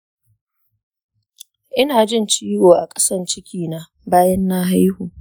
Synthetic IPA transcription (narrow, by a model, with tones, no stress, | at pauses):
ʔɪ˦naː˨d͡ʒɪ˦˨nt͡ʃiː˦woː˨ʔa˨kʼɐ̥˦sɐ˦˨nt͡ʃɪ˦kʲiː˨na˨˦ | baː˦jɐ˦nːaː˦ɦa˦jhuː˨